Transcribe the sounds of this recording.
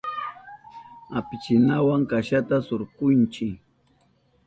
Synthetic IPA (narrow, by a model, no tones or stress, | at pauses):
apɪt͡ʃɪnawaŋkaʃat̪asoɾqʊnt͡ʃɪ